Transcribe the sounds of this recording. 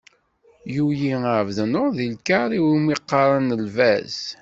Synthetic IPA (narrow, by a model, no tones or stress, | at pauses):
jujiəʕvðənoɾðilkaɾˤiwimiqːɑɾˤɑnəlvæz